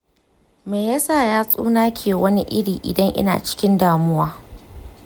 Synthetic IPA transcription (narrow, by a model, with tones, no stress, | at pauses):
meː˨jɐ˦saː˦˨jaː˦sʼṵː˦naː˦kʲʰeː˨wɐ˦ni˦ʔɪ̰˦ɽiː˨ʔɪ̰˨dɐ˦ŋʔɪ̰˦na̰ː˨t͡ʃɪ̥˦kʲɪ˦ndaː˨mʊ˦waː˦